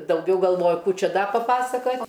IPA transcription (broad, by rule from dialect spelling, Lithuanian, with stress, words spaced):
dɐʊˈɡʲɛʊ ɡɐlˠˈʋoːjʊ ˈkuː ˈt͡ʃʲɛ ˈdɐ pɐˈpɑːsɐkɐtʲ